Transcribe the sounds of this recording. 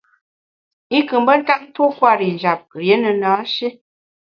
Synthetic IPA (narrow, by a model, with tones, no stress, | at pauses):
i˦kɨ˨m˦bə˦n̩˦ta˦ŋ̚n̩˦two˦kwa˦˨ɾi˨n˨d͡ʒa˨p̚ɾje˨˦nə˨naː˨˦ʃi˦